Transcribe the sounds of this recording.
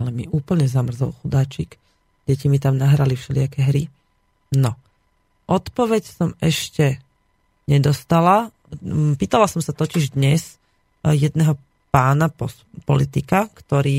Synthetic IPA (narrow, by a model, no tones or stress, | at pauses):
lɛmḭʔuːpl̩ɲɛzamr̩zɔlxud̪aːt͡ʃik | ɟɛcimit̪amnaɦɾalifʃɛlɪakɛɦɾi | nɔ | ʔɔt̪pɔʋɛcsɔmɛʃcɛ | ɲɛd̪ɔst̪ala | piːt̪alasɔmsat̪ɔciʒd̪ɲɛs | jɛd̪nɛɦɔ | paːnapɔ | pɔlit̪ikakt̪ɔɾiː